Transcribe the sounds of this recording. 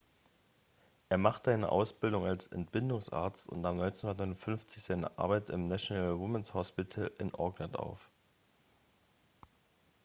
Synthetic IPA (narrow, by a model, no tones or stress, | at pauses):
ʔeːɐmaχtəzaɪnə̰ʔa̰ʊsb̥ɪldʊŋalsɛ̰ntb̥ɪndʊŋsʔa̰ːɐt͡stʊ̰ntamnɔʏnt͡snhʊndɐt̬nɔɪnʊnfʏnft͡sɪçz̥aɪnə̰ʔa̰ːɐbaɪtɪmnaʃonalwʊmɛnshɔspɪtʰl̩ʔɪnʔɔɐɡnənta̰ʊf